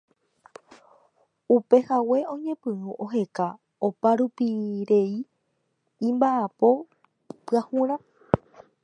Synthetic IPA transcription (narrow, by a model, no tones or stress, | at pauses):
upe̞hawe̞õ̞ɲẽ̞pɨ̃ũʔoɦe̞ka | opaɾupiɾe̞ĩː | mbaʔapo̞ | pɨahũɾ̃ã